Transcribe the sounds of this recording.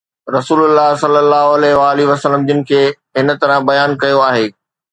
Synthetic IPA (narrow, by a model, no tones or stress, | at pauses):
ɾɐsuːlʊlːaɦsɐlːəlːaːɦoɐlɛɦʋaːliʋɐsəlːəmd͡ʑɪnɪ̆kʰeː | ɦɪnə̆t̪ɐɾə̃bɐjaːnkɐjoaːɦeː